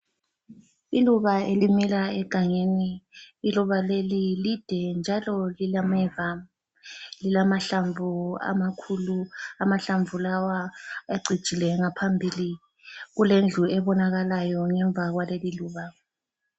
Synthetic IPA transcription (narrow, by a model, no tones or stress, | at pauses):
iluβaelimilaɛɡ̥ʱaŋeniːluβalelilid̥ʱɛnd͡ʒʱalɔlilamɛvam | lilamaɬaɱvua̰makʰuluamaɬaɱvulawaeɡ͡ǀʱid̥ʒ̥ʱilɛŋapʰambʱili | ɣulend͡ɮʱuɛβɔnaɣalajɔŋɛɱb̪vʱaɣwaleliluːβa